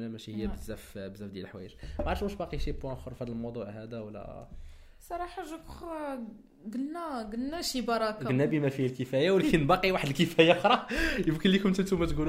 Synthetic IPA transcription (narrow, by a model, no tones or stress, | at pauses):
næmæʃihəjːæbəzːæfbəzːæfd̪jælħwæ̰jəʒmaʕɾʃmuʃbɑqiʃipwæ̃xoɾˤfæd̪əlmod̪ˤuʕhæd̪æwəlːæ̰ | sˤɑɾˤɑħaʒːakx | ɡəlnæɡəlːæʃibɑɾˤɑkɡənːæbimæfihælkəfæjawlkənbɑqiwaħəd̪əlkəfæjaxɾˤɑjəmkənlːikʊmt̪ət̪umæt̪ɡul